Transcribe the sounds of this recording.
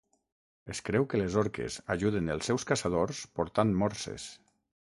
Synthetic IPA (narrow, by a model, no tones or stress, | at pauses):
eskɾɛwkəlezɔɾkḛzaʒuðenəlˠsːɛwskasaðoɾspoɾt̪anmɔɾsḛs